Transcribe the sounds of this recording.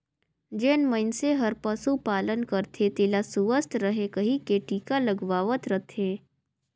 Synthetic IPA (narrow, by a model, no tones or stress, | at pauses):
d͡ʒeːnməɪnseɦɐɾpəsupaːlənkəɾt̪ʰet̪eːlasuʋəst̪ɾəɦekəɦikeːʈiːkaləɡʋaːʋət̪ɾət̪ʰẽː